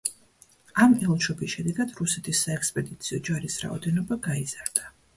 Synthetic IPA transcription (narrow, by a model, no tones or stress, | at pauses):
amɛlˠʃɔpisʃɛd̪ɛɡad̪̥ɾusɛt̪ʰisːaɛkspʼɛd̪it̪sʰiɔd͡ʒaɾisɾa̰ɔd̪ɛnɔbaɡaizaɾd̪̥a